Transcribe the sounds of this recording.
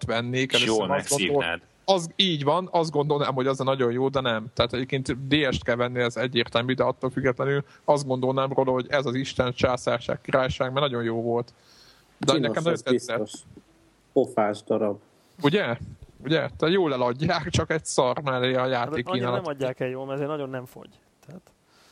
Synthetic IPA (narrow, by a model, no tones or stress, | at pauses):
t̪ʋɛnːeːkɛløːjoːnɛɡod̪olɛ̰d̪ | ɒziːɟʋɒnɒzd̪ɡo̞nd̪o̞lnaːmɦo̞ɟɒzɛnɒɟo̞njoːd̪ɛnɛmt̪ɛɦat̪ɛɟeːp̚keːnt̪d̪eːɛʃt̪kɛlvɛnːiɛzɛɟːeːrt̪ɛlmyːd̪ɛɒt̪ːolfyɡːɛt̪lɛnyl | ɒzd̪̚ɡond̪o̞lnaːmroːlɦo̞ɟɛzɒziʃt̪ɛnt͡ʃaːsaːrʃa̰ːkkːiɾaːjʃaːɡmɛrnɒɟo̞njoːvo̞lt̪ | d̪ɛnɛkɛmnɒonɛiɛoʃ | ofaːʒd̪ɒɾɒb̚ | uɟɛuɟɛt̪ɛjoːlɛlɒɟːaːkt͡ʃɒkɛɟsɒrmɛlːeɒjaːt̪eːkːiːnaːlɒɒːaːkɛjoːlmɛzeːrnɒɟo̞nːɛɱfo̞̰ɟ | t̪ɛat̪